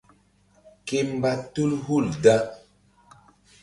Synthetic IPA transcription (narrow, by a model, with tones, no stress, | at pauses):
ke˦m˦ba˦tu˦lhu˦˨lda˦